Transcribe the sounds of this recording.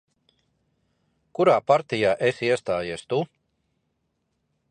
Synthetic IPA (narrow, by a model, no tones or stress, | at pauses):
kuɾaːpaɾt̪ijaːʔesiɛst̪aːjiɛst̪u